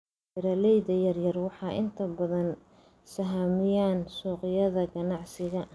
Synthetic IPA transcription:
ɪɾɐlɛjðɐjɐrjɐrwɑħɑːʔɪ̰nt̪ʰɐbɐðɐn | sɐɦaːmɪjaːnsɔːqɪjɐðɐɡɐnɑʕsɪɣɐ

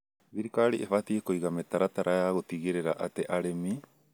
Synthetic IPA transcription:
biɾikaɾiʔefat̪iekojɡamet̪aɾat̪aɾʔaeaɡot̪iɡeɾeɾaʔat̪eʔaɾemi

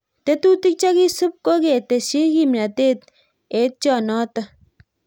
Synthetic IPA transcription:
t̪et̪ut̪ik̚t͡ʃaɡisub̚koɡet̪eʃiɡimɾat̪et̪ | et̪̚t͡ʃɔːnɔːt̪ɐ

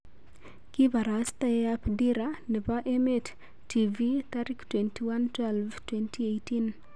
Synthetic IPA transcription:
kivaɾast̪ajapdiɾanəpaʔemet | tːivit̪aɾiktwɛntiwantwɛlvtwɛntʰiejtin

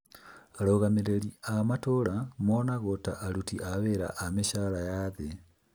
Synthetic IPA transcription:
aloɣameɾeliamatoɾamonaɣota̰ʔːɾutiʔaβeɾa̰ʔameʃaɾajaðe

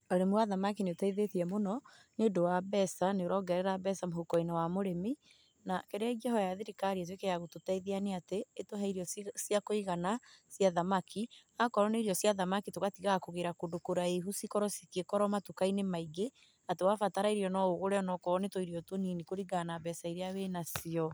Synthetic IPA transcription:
oɾemuaðamakineotaiðeθiɛmonɔ | neodowabɛsaneoɾɔːŋɡɛɾɛɾabɛsamohokɔinɔwamoɾemi | nakɛɾeaid͡ʒɛɦɔjaðeɾikaɾiat̬wekɛaɣototaiðianeateːtoɦaiɾiɔsiakoiɣanasjaðamakʰiakɔɾɔneiɾiɔsjaðamakitoɣatiɣakoɣeɾakodokoɾaeɦusikɔɾɔsikekɔɾɔmatukainemaiɡe | atewafataɾaiɾiɔnɔoɣoɾɛɔnɔkɔnetoiɾiɔtoninikoɾiɡanabɛsaiɾeawenasiɔ

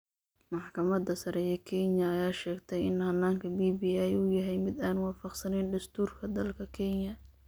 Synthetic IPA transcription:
mɑħkʰɐmɐd̪ɐsɐɾɛjɛkʰɛnjɐːjaːʃɛːɡt̪ʰɛjɪnhɐnːaːŋkʰɐbiːbiːɛjʊjɐɦɛjmɪd̪aːnwɑːfɑqsɐnɛjnd̪ɐst̪ʰuːrkʰɐd̪ɐlkʰɐkʰɛnjɐ

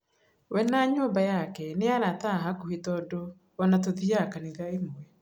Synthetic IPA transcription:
wɛnaɲoːmbajakɛneaɾataɦakohetɔdoː | natoðiakaniɡaemwɛ

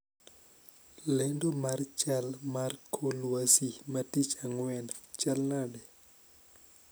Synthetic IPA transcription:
lendomart͡ʃalmarkʰolwasimatit͡ʃaŋwɛnt͡ʃalnadɛ

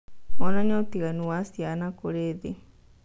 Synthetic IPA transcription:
onãɲõt̪iɣanũwasianãkoɾed̪e

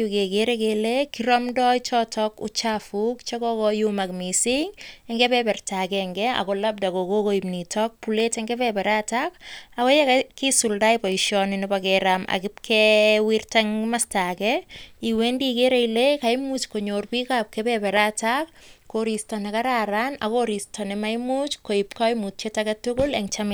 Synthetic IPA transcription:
ukekeɾekelekiɾɔmdɔjt͡ʃɔtʰɔkʊ̰t͡ʃafukt͡ʃakɔkɔjumakmisiŋɛŋɡɛbɛpɛrtakɛŋɡɛa̰kolab̚dakokokoimnitɔk̚puletɛŋɡɛpɛpɛɾatakakɔjɛkakisuldajpaiʃɔnɪnibakɛɾama̰kɪp̚kʰɛwirtaŋmastakɛiwendikeɾejlekajmut͡ʃkoɲorpikap̚kɛbɛbɛɾatak̚koɾistɔnekaɾaɾanakoɾistʰɔnɛmajmut͡ʃkoip̚kɔjmut͡ʃetakatʊkʊleŋt͡ʃamɪ

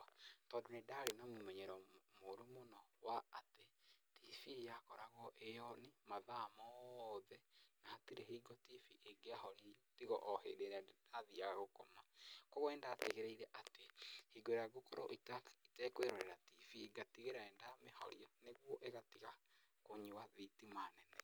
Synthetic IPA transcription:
tɔːndonedaɾenamomɛɲɛɾɔmoɾomonɔwaatetʰifijakɔɾaɣɔʔejɔnemaðamɔðɛnaatiɾeɦiɡɔtifiʔeɡeahɔɾitiɣɔʔɔhḛɾeɾadaðiaɣaɣokomakoɣwɛːndaːteɣeɾɛiɾɛʔatehiɡoeɾaɡokɔɾɔʔitakitɛkweɾoɾeɾatifiːɡatiɣeɾaɛndamehɔ̰ɾiɔneɣwɔʔeɣatiɣa | koɲiwaðitimanɛnɛ

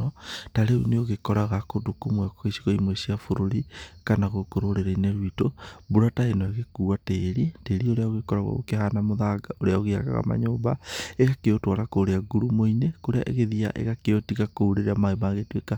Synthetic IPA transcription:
ɔtaɾeuneoɣekɔɾaɣakodukomwɛkɔɣesiɣɔimwesiafoɾoɾikanaɣokoɾoɾeɾaineɾwitobuɾataenɔeɣekuːateːɾiteːɾioɾeaoɣekɔɾaɣwa̰o̰keɦanamoðaːɡaʔoɾeaoɣea̰ka̰ɣa̰ma̰ɲoːmba̰eɣakeotwaɾakoɾeaɡuɾumoinekoɾea̰ʔeɣeðia̰ʔḛɣakeotiɣakouɾeɾamaemaːɣetweka

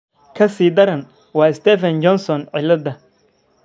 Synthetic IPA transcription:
kʰɐsiːd̪ɐɾɐn | wɑːɪst̪ɛfɐnt͡ʃɔnsɔnʕɪlːɐd̪ɐ

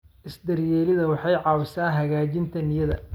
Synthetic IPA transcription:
ʔɪsd̪ɐrjɛːlɪðɐwɑħɑjʕɑːwɪsaːɦɐɣaːt͡ʃɪnt̪ʰɐnɪjɐðɐ̰

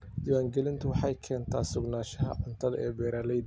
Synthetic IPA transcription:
d̪iːwaːŋɡɛlɪnt̪ʰʊwɑħɑjkʰɛːnt̪ʰaːsʊɡnaːʃɐɦɐ̰ʕʊnt̪ʰɐðɐɛːbɛːɾaːlɛj

